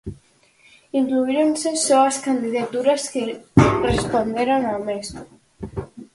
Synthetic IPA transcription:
iŋkluiɾonsesoaskand̪iðat̪uɾaskerespond̪eɾonames

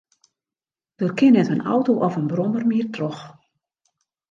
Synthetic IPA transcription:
d̥oːrkɪnɛtənɔ̰wtoʔɔfənbrɔmərmiərtrox

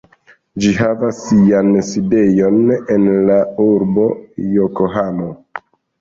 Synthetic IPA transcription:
d͡ʒiɦavasːianside̞jo̞ne̞nlauɾbo̞jokoɦamo

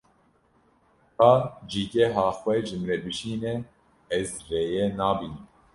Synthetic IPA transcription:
hɑːd͡ʒiːkɛɦɑːxwɛʒɨmɾɛbɨʃiːnɛ | ɛzreːjɛnɑːbiːnɨm

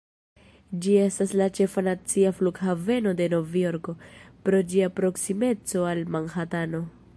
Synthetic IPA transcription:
d͡ʒie̞staslat͡ʃe̞fanat͡siafluɡhave̞no̞de̞no̞vio̞ɾko̞pɾo̞d͡ʒiapɾo̞ksime̞t͡so̞almanhatano̞

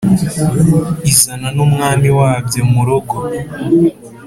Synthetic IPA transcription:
izananumŋaːmiwaːvɟemuɾo̞ɡo

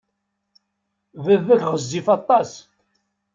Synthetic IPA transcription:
vəðækʁəzːifɑt̪ˤːɑs

